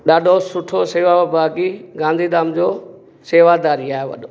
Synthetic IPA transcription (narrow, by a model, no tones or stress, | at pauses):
ɗaːɖʱosʊʈʰoseːʋabaːkiɡãːnd̪ʱiːd̪aːmd͡ʑoː | seːʋad̪aːɾiaːɦeʋɐ̰ɗo